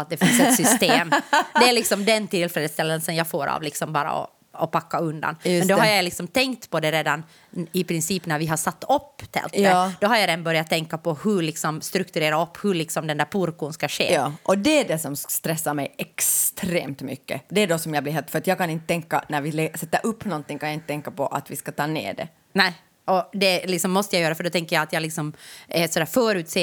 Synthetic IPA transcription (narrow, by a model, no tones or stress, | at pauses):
t̪̚d̪ɛfɪnsɛt̪sʏst̪eːmd̪ɛæɭɪksɔmd̪ɛnt̪ʰɪlfɾeːd̪əst̪ɛlːənsənjɑɡfoːɾa̰vlɪksɔmbɑːɾa̰ɔ̰ | ɔpakːaɵnd̪a̰njmɛnd̪ɔhaɾjajlɪksɔmt̪ʰɛŋkt̪pʰɔd̪ɛɾeːd̪an | ɪpɾɪnsiːpnæɾvɪɦaʂat̪ːɔpːt̪ʰɛ̰lt̪ːd̪ɔɦaɾjad̪ɛnbœɾjat̪ʰːɛŋkːapʰɔhɵɭɪksɔmst̪ɾɵkt̪ʉɾeːɾaɔpːhɵɭɪksɔmd̪ɛnd̪æːɾpʰuɾkunskaʂḛːɑːʔɔd̪ɛːɖɛsɔmst̪ɾɛsːaɾmɛjɛkst̪ʰɾḛːmt̪mʏ̰kːə̰d̪ɛːdɔsɔmjablɪɾɦeːlt̪fœɾat̪jɑːɡkanɪnt̪ət̪ʰɛŋkːa̰næɾvɪlɛsɛt̪ːɑʔɵpːnɔnt̪ɪŋkʰanjaɪnt̪ət̪ɛŋkːapʰɔʔa̰t̪ʋɪskat̪ʰɑːnḛːɖɛ̰ | næɪ | ʔɔd̪ɛlɪksɔmːɔst̪əjajøːɾaafœɖɔt̪ʰɛŋkːəjaat̪jalɪksɔmɛsɔd̪æːɾfœːɾʉ̟ːt̪seː